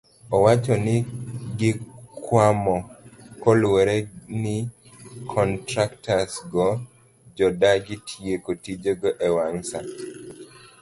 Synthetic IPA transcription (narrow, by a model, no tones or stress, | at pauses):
ɔwat͡ʃɔnɪɡɪkwamɔkɔlweɾenɪ | kʰɔntɾaktasɡɔ | d͡ʒɔdaɡɪtʰijekotid͡ʒoɡɔʔewaŋsa